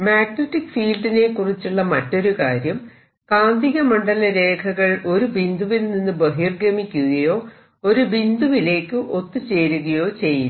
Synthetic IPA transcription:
maːknuʈːikfiːlɖine̞kurit͡ɕːuɭːɐmɐtːo̞ɾukaːɾjɐm | kaːnd̪iɣɐmɐɳɖɐlɐɾe̞ːkʰɐɣɐɭo̞ɾubind̪uʋilninːɨbɐɦirɡɾɐmikʲːuɣɐjo̞ː | o̞ɾubind̪uʋile̞ːkːɨʔo̞t̪ːɨt͡ɕe̞ːɾuɣɐjo̞ːt͡ɕe̞jːu

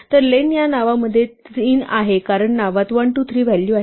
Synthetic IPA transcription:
t̪əɾlenjanaʋaməd̪ʱːjeinaɦekaɾəɳːaʋat̪ʋaɳʈut̪ʰɾiːʋ̤ɛljuaɦ

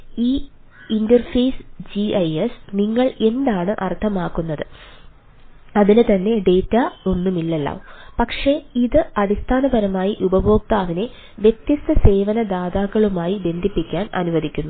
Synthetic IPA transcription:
iː | indɐrfeːsd͡ʑiɐjesniŋːɐɭe̞nd̪aːɳɨʔɐrt̪ʰɐmaːkːunːɐðɨ | ɐðinɨt̪ɐnːe̞ɖe̞ːtːaonːumilːɐlːɐ̰pɐkʂe̞iðɨɐðist̪ʰaːnɐbɐɾɐmaːjiʔubɐbʱo̞ːk̚t̪aːʋine̞ | ʋjet̪jɐst̪ɐse̞ːʋɐnɐd̪aːðaːɣːɐɭumaːjibe̞nd̪ʱipːikʲːaːnɐ̰nuʋɐðikʲːunːu

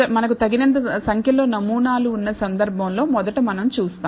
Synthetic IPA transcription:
ɐmɐnɐkut̪ɐɡinɐnt̪̬ɐsɐŋkʰjɐlo̞ːnɐmuːnaːluːnːɐsɐnd̪ɐɾbʱɐmlo̞ːmɔd̪ɐʈɐmɐnɐmt͡ʃuːst̪aː

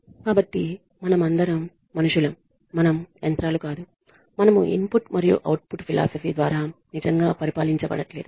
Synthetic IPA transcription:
kaːbɐʈːi | mɐnɐmɐnd̪ʱɐɾɐmː | ɐnuʂulɐmː | ɐnɐment̪ɾaːlukaːd̪u | mɐnɐmṵʔḭmpuʈmɐɾijṵʔɐ̰wʈ̚puʈpʰilʔa̰ːsɐpʰiːd̪ʋaːɾaːnid͡ʒɐŋɡaːpɐɾipaːliɲt͡ʃɐbɐ̰ɽɐʈleːd̪u

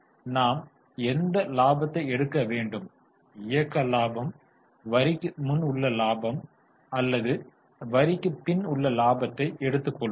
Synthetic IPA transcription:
naːm | ɛnd̪ɐlaːbɐt̪ːɐɪɛɽɯkːɐʋeːɳɖɯm | ɪjɐkːɐlaːbɐm | ʋɐɾɪkːɯmʊnʊɭːɐlaːbɐm | ɐlːɐðɯ | ʋɐɾɪkːɯpɪnʊɭːɐlaːbɐt̪ːɐɪʔɛɽɯt̪ːɯkːɔɭː

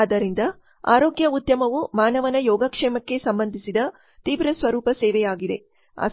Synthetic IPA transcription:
d̪ɐɾind̪ɐ | a̰ːɾoːɡjɐud̪jɐmɐʋumaːnɐʋɐnɐjɔːɡɐkʂɛːmɐkːe̞sɐmbɐnd̪ʱisid̪ɐ | t̪iːʋɾɐsʋɐɾuːpɐsɛːʋɛjaːɡid̪e̞̰ | a̰ː

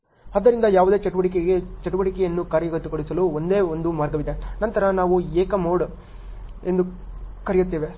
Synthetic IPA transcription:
ɐd̪ːɐɾind̪ɐjaːʋud̪e̞ːt͡ʃɐʈuʋɐʈik̬eɡet͡ʃɐʈuʋɐʈikɛjɐnːukaːɾɐjɐɡɐt̪ːukoɽisɐluond̪e̞ːond̪umaːɾɡɐʋid̪enɐnt̪ɐɾɐnaːʋueːkɐmoːɖ | e̞nd̪ukɐɾɛjut̪ːiːʋe̞

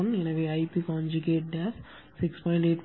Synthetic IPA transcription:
nɪ̃nɐʋiɐɪpiːkãːnd͡ʒuɡeːʈ̚ɖæs | sɪkspɔ̃ːɪ̃ɳʈeːʈ

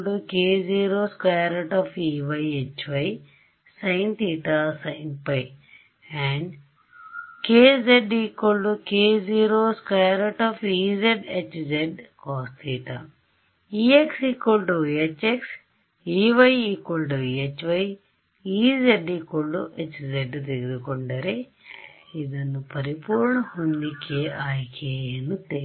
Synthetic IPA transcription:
ɖukeːziːɾoːskaːjɾɐʈɔːfiʋɐjet͡ʃʋɐj | sɐjnt̪iːʈasɐjnpɐj | ɛɳɖ | keːzeɖiːkolɖukeːziːɾoːskajɾɐʈɔːfiːzeɖet͡ʃzeɖkɔːst̪iːʈa̰ | iːeksiːkolʈuiet͡ʃːeks | iːʋɐjiːkolʈuiet͡ʃːʋɐj | iːd͡ʒeɖiːkoɭɖuʔet͡ʃːd͡ʒeɖt̪eɡiɾukoɳɖɐɾe | id̪ɐnːupɐɾipuːɾɳɐhund̪ikeːʔaːjkʰeːjɐnːut̪e

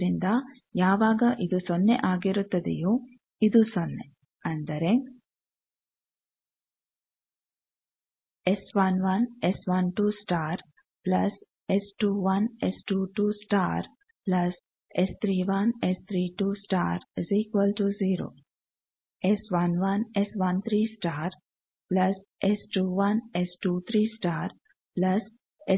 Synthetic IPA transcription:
ɾind̪a | jaːʋaːɡɐʔid̪usonːeʔaːɡiɾut̪ːɐd̪ḭju | id̪usonːe | ɐnd̪ɐɾeŋ | esʋɐnʋɐnesʋɐnʈuːsʈaːɾ | plɐs | esʈuːʋɐnesʈuːʈuːsʈaːɾ | plɐs | est̪ʰɾiːʋɐnest̪ʰɾiːʈuːsʈa̰ːɾsiːkʋəlʈuziːɾo̰ː | esʋɐnʋɐnesʋɐnt̪ʰɾiːsʈaːɾ | plɐs | esʈuːʋɐnesʈuːt̪ʰɾiːsʈaːɾ | plɐs | e

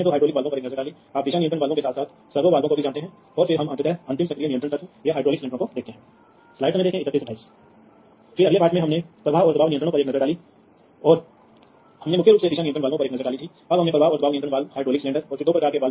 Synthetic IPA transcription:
ed̪oːɦaːɪɖɾoːlɪkʋaːlõpɐɾeːknɐəzəɾɖaːli | aːp̚d̪ɪʃãnijə̃nt̪ə̃ɽ̃ʋaːlɡõkesaːt̪saːt̪ʰ | sɐɾʋoʋaːlɡõkobid͡ʒaːnt̪eɦɛ̃ː | ɔːɾfɪɾɦɐmɐ̃nt̪ɾt̪eɐ̃nt̪ɪmsɐkɾijanij̃ənɾə̃ɽnsɐt̪ʰjaɦaːɖɾoːlɪkslɛ̃ːɳəɾõkod̪eːkt̪eɦɛ̃ː | slaːɪʈɦɐmẽd̪eːkʰẽɪkət̪ːisɐʈʰːaːis | fɪɾɐɡlepaːʈmẽɦɐmnepɾɐʋaːɦɔːɾd̪ɐbaːʋnɪjə̃nɾɽ̃õpɐɾeːknɐzəɾɖaːli | ɔːɾ | hɐmnẽmʊkʰjeɾuːpseɪʃãnijə̃nt̪ɾə̃ʋaːlɡõpɐɾeːknɐzəɾɖaːlit̪ʰi | ɐbɦɐmnẽpɾɐʋaːɦɔːɾd̪ɐbaːʋɪjənt̪ɾə̃ʋaːlhaːɪɖɾoːlɪkslɛ̃ːɳɖəɾɔːɾfɪɾd̪oːpɾɐkaːɾkeʋaːl

